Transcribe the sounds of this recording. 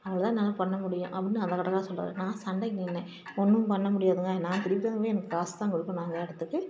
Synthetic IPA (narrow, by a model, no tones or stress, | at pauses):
ɐʋɐɭt̪ãːnɐlːɐpɐɳːɐmʊɽɪjʊ̃ʔɐpːɐɽɪnːɯɐnðɐkːɐɽɐkɐlaːsɔlːɾa̰ːð̰nãːsɐɳɖɐŋɡɐɛnːɛ̃ | ɔnːɯ̃pɐɳːɐmʊɽɪjaːðɯŋɡɐnːãːt̪ɪɾɪpːɪt̪ːɐːɡeːɛnɐkːɯaːst̪ãːŋkʊɽɯkːõːnaːŋɡɐɛɽɯt̪ːɯkːɯ